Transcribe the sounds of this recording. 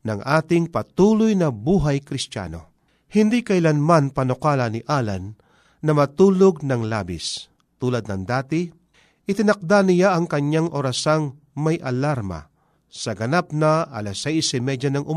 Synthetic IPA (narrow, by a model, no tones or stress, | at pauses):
nɐŋʔaːt̪ɪŋpɐt̪uːlʊjnɐbuːɦajkɾɪst̪ja̰no̞̰ | hɪnd̪ikɐjlanmanpɐnʊkaːlɐnɪʔaːla̰nː | ɐmɐt̪uːloɡ̚nɐŋla̰ːbɪ̰s | t̪uːlɐd̪̚nɐŋd̪aːt̪ɪ | ʔɪt̪ɪnɐk̚d̪anɪjaʔɐŋkɐɲaŋʔoɾɐsaŋ | mɐjʔɐlaɾmɐ̰ | sɐɡɐnapnɐʔɐlasɛjsɪmɛd͡ʒanɐŋʔʊm